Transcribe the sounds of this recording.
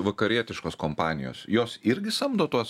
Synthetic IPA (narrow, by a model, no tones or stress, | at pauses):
ʋɐkɐɾʲiɛt̪ʲɪʃkoːskoːmpɑːnʲɪ̰jo̰ːsjoːsɪɾʲɡʲɪsɐmd̪oːt̪uɔs